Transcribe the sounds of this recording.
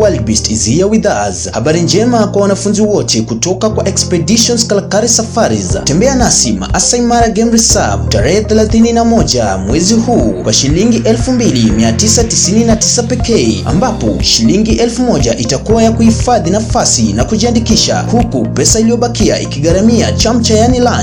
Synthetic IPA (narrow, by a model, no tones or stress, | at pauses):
wɛlbistizihijawiðaːzahaɓaɾind͡ʒɛmakwawanafunziwɔtɛkutɔkakwaʔɛkspɛɗiʃɔnzkalkaɾisafaɾiztɛmbɛanasima̰ʔasaimaɾaɡɛmɾisab̚taɾɛhɛθɛlaθininamɔʄamwɛzihuːkwaʃiliŋɡiʔɛlfumbilimiatisatisininati̥sapɛkɛɛa̰mbapɔ̰ʃiliŋɡiʔɛlfumɔʄaʔitakuwajakuhifaðinafasinakuʄiandikiʃa̰hukupɛsailijɔɓakia̰ʔḭkiɠaɾamia̰t͡ʃam̩t͡ʃajanilan